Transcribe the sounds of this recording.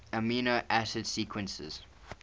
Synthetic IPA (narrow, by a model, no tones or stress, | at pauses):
əmiːnoʔæsɪd̥siːkʰwə̃nsɪ̰z̥